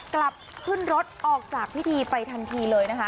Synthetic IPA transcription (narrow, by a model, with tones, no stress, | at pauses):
kla˨˩p̚ʰːɯ˥˩nɾo˦˥t̪̚ʔɔː˨˩k̚t͡ɕaː˨˩k̚pʰi˦˥t̪ʰiː˧pa˧jt̪ʰa˧nt̪ʰiː˧lɤː˧jna˦˥kʰa˦˥